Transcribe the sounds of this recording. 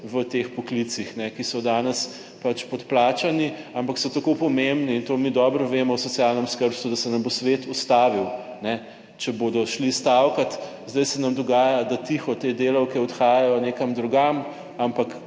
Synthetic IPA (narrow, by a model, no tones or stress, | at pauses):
ʋət̪eːxpɔklit̪sixnɛkisɔd̪aːnɛs | pat͡ʃpɔt̪plaːt͡ʃaniampaksɔt̪akopɔmembniːnt̪oːmid̪ɔbɾɔʋeːmɔwsɔt̪sjalnɛmskəɾsud̪asɛnɐmbosʋet̪ust̪aːʋiw | nɛ | t͡ʃɛboːd̪ɔʃlist̪awkat̪ | zd̪ɐjsɛnɐmd̪ɔɡaːjad̪at̪ixɔt̪ed̪eːlɐwkɛɔt̪xaːjɛjɔneːkɐmd̪ɾuɡam | ampak